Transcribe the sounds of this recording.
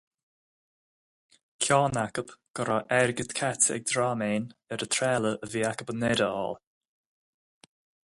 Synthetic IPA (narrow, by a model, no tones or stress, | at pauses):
kʰɔːnakəbɡ̥əɾaʔɛɾɡət̪kʰatəɛ̰ɡ̚d̪ɾaːmeːnɛɾət̪ʰɾɛːləʔəviːakəbənɛɾəɔ̰ːl